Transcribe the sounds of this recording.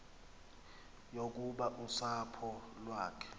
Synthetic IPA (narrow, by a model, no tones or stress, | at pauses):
jok̬ʼuɓaʔusapʰɔlwaːkʰɛ̥